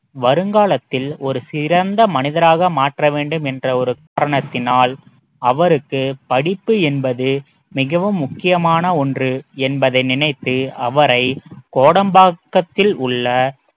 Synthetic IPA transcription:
ʋɐɾɯŋɡaːlɐt̪ːɪlɔɾɯsɪɾɐnd̪ɐmɐnɪðɐɾaːɣɐmaːʈrɐʋeːɳɖɯmɛndrɐɔɾɯkaːɾɐɳɐt̪ːɪnaːl | ɐʋɐɾɯkːɯpɐɽɪpːɯɛnbɐðɯ | mɪɣɐʋɯmːʊkːɪjɐmaːnɐɔndrɯɛnbɐðɐɪnɪnɐɪt̪ːɯɐʋɐɾɐɪkoːɽɐmbaːkːɐt̪ːɪlʊɭːɐ

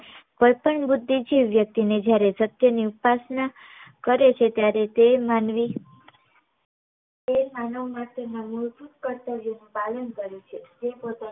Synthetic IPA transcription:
kojpəɳbud̪ʱːid͡ʒiʋːjək̚t̪ined͡ʒjaɾesət̪jəniupasna | kəɾet͡ʃʰet̪jaɾet̪emanʋi | emanəʋmãt̪enamuɾbut̪kəɾt̪əʋjonũpalənkəɾũt͡ʃʰed͡ʒepot̪a

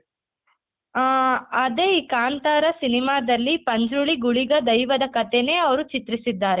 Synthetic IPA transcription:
ɐd̪eiːkaːnt̪aːɾɐsinimaːd̪ɐlːipɐɲd͡ʒɾuɭiɡuɭiɡɐd̪ɐjʋɐd̪ɐkɐt̪ene̞ːɐʋɐɾut͡ʃit̪ɾisid̪ːaːɾe

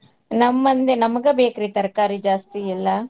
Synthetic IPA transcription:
nɐmːɐnd̪enɐmɐɡebeːkɾit̪ɐɾkaːɾid͡ʒaːst̪iilːɐ

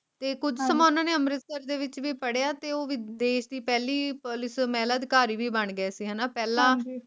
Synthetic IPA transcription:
t̪eːkʊd͡ʒsəmãːʊnãːneːəmɾɪt̪t̪əɾd̪eːʋɪt͡ʃʋiːpəɽeaːt̪eːoːʋɪd̪eːʃd̪iːpɛːliːpʊlɪsmɛːlaːd̪ɪkaːɾiːʋiːbəɳɡəɛːsiːɦɛːnaːpɛːlãː

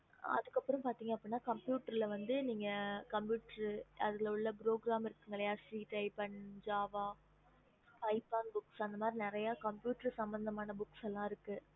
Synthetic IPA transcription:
ɐ̰ðɯkːɐpːɯɾɐ̃mpaːɾt̪iːŋɡɐpːɽinːaːkɐmpjuːʈɐɾɪlɐʋɐnd̪ɯniːŋɡɐkɐmpjuːʈɐɾɐðɯɐɭʊɭːɐpɪɾoːɡɾaːmɪɾɯkːɯŋɡɐɭɐjaːsiːʈɐɪpɐɳd͡ʒaːʋaː | pɐɪpːaːnbʊksɐnd̪ɐmaːd̪ɾinɪɾɐjaːkɐmpjuːʈɐɾsɐmbɐnd̪ɐmaːnɐbʊksɛlːãːɪɾɯkːɯ

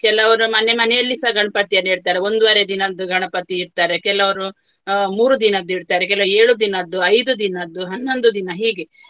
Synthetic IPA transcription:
kɛlɐʋɐɾumɐnːe̞mɐnɛjɐlːisɐɡʱɐɳpɐɽt̪ijɐneːɽt̪aːɾeo̞nd̪uʋaːɾed̪inɐd̪ːuɡʱɐɳɐpɐt̪iːɾt̪aːɾe̞kɛlɐʋɐɾu | muːɾud̪inɐd̪ːuiɾt̪aːɾekɛlɐʋeːɭud̪inɐːd̪ːuɐjd̪ud̪inɐːd̪ːuɦɐnːo̞nd̪ud̪inɐɦiːɡe̞

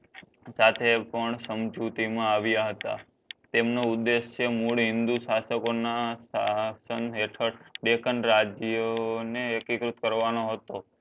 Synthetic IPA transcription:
sat̪ʰepəɳsəmd͡ʒut̪imãaʋjaɦət̪a̰ | t̪emnoud̪ːeʃjəmuɭɦɪ̃nd̪uʃasəkonasasənɦeʈʰəɽɖekənɾad͡ʒjəneəkikɾut̪̚kəɾʋanoɦət̪o

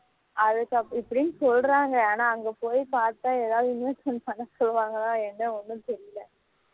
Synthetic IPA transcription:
ʔɐðɯkːɐɪpːɐɽɪjnsɔlɾaːŋɡɐaːnaːɐŋɡepoːjpaːɾt̪ːãːɛðaːðɯɪnʋɐsɐnːpɐnːɐsɔlːɯʋaːŋɡɐnãːɛnːɐɔnːɯ̃t̪ɛɾɪjɪlɐ

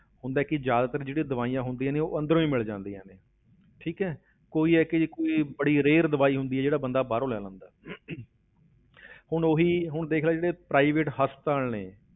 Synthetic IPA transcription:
hʊnd̪aːɛːkɪd͡ʒjaːd̪ːt̪əɾãːd͡ʒeːɽĩːd̪əʋaːijãːɦʊnd̪iːɛːneːoːʔə̃nd̪əɾõːiːmɪld͡ʒãːnd̪iːɛ̃ːneː | ʈʰiːkɛː | koːiːɛːkɪkoːiːbəɽiːɾeːɾd̪əʋaːiːɦʊnd̪iːɛːd͡ʒeːɽaːbənd̪aːbaːɾõːlɛːlə̃ːnd̪aː | hʊɳoɦiːɦʊɳd̪eːkʰlaːd͡ʒeːɽeːpɾaːiːʋeːʈɦəst̪aːlneː

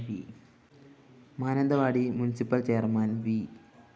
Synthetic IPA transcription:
ʋḭ | maːnɐnd̪ɐʋaːɽimunɪsipːɐlt͡ʃejɐɾmaːnʋi

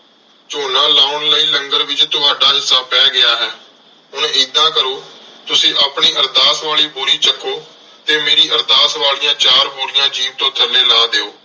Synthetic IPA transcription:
t͡ʃoːnãːlaːʊnləiːləŋɡəɾʋɪt͡ʃt̪ʊɦaːɖaːd͡ʒɪsãːpɛːɡɪaːɦɛː | ɦʊnid̪ãːkəɾoːt̪ʊsĩːʔaːpɳiːʔəɾd̪aːsʋaːliːboːɾiːt͡ʃəkʰːoː | t̪eːmeːɾiːʔəɾd̪aːsʋaːlɪjãːt͡ʃaːɾboːɾɪjãːd͡ʒiːʋt̪õːt̪ʰəleːlaːd̪eːoː

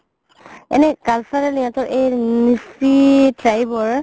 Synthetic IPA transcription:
ɛ̰nɛkalsaɹɛliãtɔɹʔejnisitɹajbɔɹ

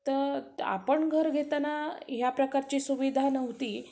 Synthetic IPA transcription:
t̪əɾa̰pəɳɡʱəɾɡʱet̪anaɦjapɾəkaɾt͡ɕiːsuʋid̪ʱanəʋt̪iː

